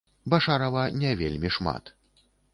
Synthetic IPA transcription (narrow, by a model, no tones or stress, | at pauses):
baʂaɾɐvɐnʲɛvʲelʲmʲiʂma̰t̪